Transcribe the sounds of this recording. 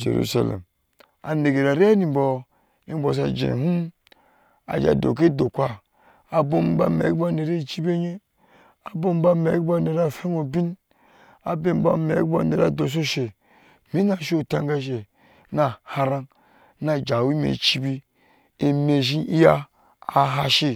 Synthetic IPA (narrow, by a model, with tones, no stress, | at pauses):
d͡ʒḛ˨ɾṵ˦˨sa̰˨lḛ˨m | a̰˨ne˨ɡe˨ɾa˨ɾe˦a˦ni˨bo˨ | i˦bo˨s̬a˨d͡ʒḛ̃˨ɦu˦m | a̰˨d͡ʒa̰˨do̰˨k̬e˦do˨kʷa˦ | a˨bo˦m˦ba̰˦mḛ˨˦ba˦ne˨ɾe˦˨t͡ʃi˦be˦ɲe˦ | a˨bo˦m˦ba˦me˨˦kbo˦ne˨ɾa˦˨fe˦o˨bi˦n | a˨be˦m˦ba̰˦mḛ˨˦kbo˦ne˨ɾa˨do˨s̬o˦ʃe˨ | mi˦na˨ʃo˦˨ta˦ŋ˦ɡa˦ʃ̬e˨ | na˨ha˧ɾa˦n | na˨d͡ʒa˨wi˦mḛ˨t͡ʃi˦bi˦ | e˨me˨ʒi˦i˦jaː˦˨ | ɦa˦ʃi˦